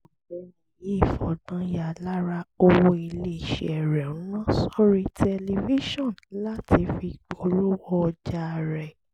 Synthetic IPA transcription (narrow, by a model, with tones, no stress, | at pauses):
ɔ˨˦i˨je˦˨fɔ˨ɡ͡bã˨˦ja˨la˦ɾa˧o˧wo˧i˧le˦˨ʃḛ˨ɛ˨ɾɛ˨ɔ̃˨ũ˦nã˦sɔ˦ɾi˦tʰɛ˧li˧vi˦ʃɔ̃˦˨nla˦ti˧fi˧k͡pɔ˧˦ɾo˦wɔ˦˧d͡ʒa˦˧ɾɛ˨